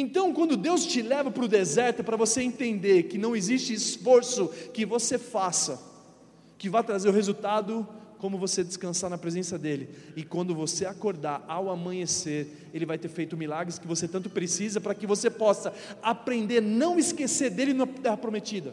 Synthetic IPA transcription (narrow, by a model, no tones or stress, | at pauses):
ẽt̪ɐ̃w̃kwɐ̃nd̪ʊd̪ewst͡ʃɪlɛvɐpɾʊd̪ezɛɾt̪ʊpɾɐvoseẽnt̪ẽnd̪eɾkɪnɐ̃w̃ezist͡ʃɪːsfoɾsʊkɪvosefasɐ | kɪvajt̪ɾazeɾʊhezut̪ad̪ʊkõmʊvosed͡ʒɪskɐ̃saɾnɐpɾezẽsɐd̪elɪɪkwɐ̃nd̪ʊvoseakoɾd̪aɾawamɐ̃ɲeseɾ | elɪvajt̪eɾfejt̪ʊmilaɡɾɪskɪvoset̪ɐ̃nt̪ʊpɾesizɐpɾɐkɪvosepɔsɐapɾẽnd̪eɾnɐ̃w̃ɪskeseɾd̪elɪnũmɐt̪ɛhɐpɾomet͡ʃid̪ɐ